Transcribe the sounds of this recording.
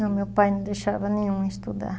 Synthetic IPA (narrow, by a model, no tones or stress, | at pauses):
ɐ̃mewpajnɐ̃d̪ejʃavɐnẽɲũist̪ud̪a̰ɾ